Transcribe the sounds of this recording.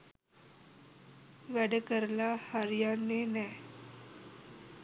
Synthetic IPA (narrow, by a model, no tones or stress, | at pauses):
ʋɛɽekəɾlahaɾjanːenɛ